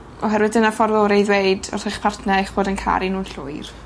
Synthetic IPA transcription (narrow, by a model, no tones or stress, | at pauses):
ɔɦɛɾwɨdənafɔrvɛɔɾejðweɨdɔ̰rθɪχpʰartʰnɛeχb̥oːdənkʰa̰ɾinuːnɬʊɨr